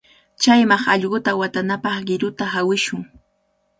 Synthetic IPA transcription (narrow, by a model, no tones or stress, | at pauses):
t͡ʃajmɑχɑʎɢʊt̪awat̪anapɑχɢɪɾʊt̪aɦawɪʃʊŋ